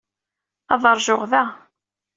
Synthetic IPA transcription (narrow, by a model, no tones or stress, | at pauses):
ɑðˤəɾˤʒʊʁðæ